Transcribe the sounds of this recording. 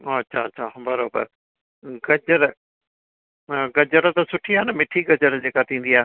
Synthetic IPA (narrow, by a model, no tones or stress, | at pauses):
oːɐtːʃʰaːtːʃʰaːbəɾoːbə̰ɾ | ɡəd͡ʒəɾ | ɡəd͡ʒəɾt̪asʊʈʰiaːnəmɪʈʰiɡəd͡ʒəɾd͡ʑeːkat̪ʰĩːn̆d̪ijaː